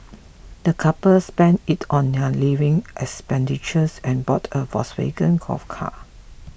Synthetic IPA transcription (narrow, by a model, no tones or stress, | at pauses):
d̥əkʰapəspɛ̃ntitʰɔ̃nːɛlivɪ̃ŋʔɛkspɛ̃ndit͡ʃəsɛ̃nbɔtʰəvɔ̰swḛɡə̃nkʰɔ̰fkʰa̰